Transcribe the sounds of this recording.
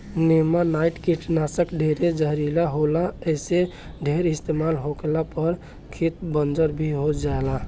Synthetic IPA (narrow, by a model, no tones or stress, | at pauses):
nemanaiʈkiʈʰnasəkɖʱeɾed͡ʒəɦɾilaɦolaəse | ɖʱeɾɪst̪emalɦokelapəɾ | kʰit̪̚bənd͡ʒəɾbʱiɦod͡ʒaela